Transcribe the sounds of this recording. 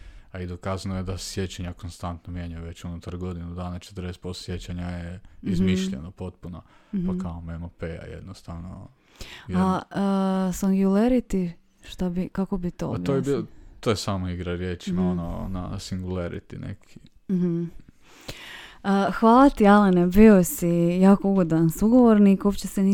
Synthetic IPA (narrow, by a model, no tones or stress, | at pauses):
aid̪okazanojed̪asje̞t͡ɕaɲakonst̪ant̪nomje̞ɲajuʋe̞t͡ɕunut̪aɾɡo̞d̪inud̪aːnat͡ʃe̥t̪əɾd̪est̪̚pososje̞t͡ɕaɲajeizmiʃʎḛnopo̞t̪puno | pakaomemopea̰jḛd̪nost̪aʋno̰ | a | saŋɡuleɾit̪i | ʃt̪abikako̞bit̪o̰abiojebiot̪ojesaːmoiɡɾaɾjeːt͡ʃimaono̰na̰siŋɡulˠaɾḭt̪ḭnḛkʰi | ɦ̩ | xʋaːlˠat̪ialenebiosijaːkouɡod̪ʋansuɡoʋoɾnikopt͡ɕeseni